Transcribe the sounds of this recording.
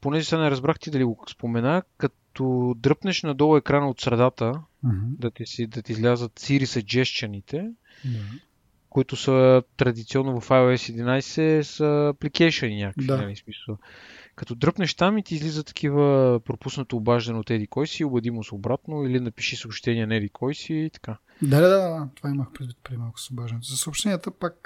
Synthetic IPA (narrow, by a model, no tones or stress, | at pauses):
ponɛzisanɛɾɐzbɾaxt̪id̪ɐliɡospomɛnakɐt̪ɔd̪ɾɤpnɛʃnɐd̪ɔvˠɛkɾanɐot̪sɾɐd̪at̪əd̪ɐt̪ɛsid̪ɐt̪ɛizlʲazət̪siɾisɐd͡ʒɛʃt͡ʃənit̪ɛ | koit̪ʊsət̪ɾɐd̪it̪siɔnːovɐfajoɛsid̪inajsɛsəːplikɛjʃəninʲakəvd̪anɐlismisəlˠkɐt̪ɔd̪ɾɤpnɛʃt̪amit̪iːzlizət̪ɐ̥k̟ivəpɾopusnət̪oːbaʒd̪ənɛot̪ɛd̪ikɔjsiobɛd̪imosobɾat̪noilinɐpiʃisəopʃt̪ɛnʲiɛnɛlikʰɔjsiːt̪ɐ̥ka | d̪ad̪ad̪adat̪ovaiməxpɾɛd̪vit̪̚pɾiimalˠkʊ̥sobaʒd̪ɛnɛt̪zɐsəopʃt̪ɛniət̪əpak̚